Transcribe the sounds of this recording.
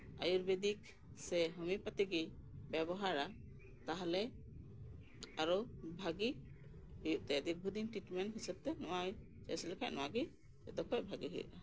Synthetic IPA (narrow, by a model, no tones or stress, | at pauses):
a̰juɾbed̪ik̚ | sɛɦɔmipat̪iɡibɛbɔɦaɾa | t̪aɦalɛ | aɾɔbʱaɡi | hujuʔ̚t̪ɛd̪ibʱud̪inʈɾiʈmɛnɦisɛb̚t̪ɛnɔwaj | t͡ʃɛ̰sɛlɛkʰa̰ʔ̚nɔwaɡi | ɛd̪ɔkʰɔjbʱaɡiɦṵjṵʔa